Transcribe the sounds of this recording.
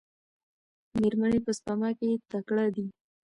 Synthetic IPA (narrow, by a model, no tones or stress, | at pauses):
meɾmanepəspamɑket̪akɽad̪i